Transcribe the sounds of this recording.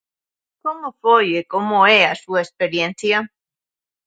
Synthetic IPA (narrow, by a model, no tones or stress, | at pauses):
komofojekomoeasuespeɾjẽn̟θja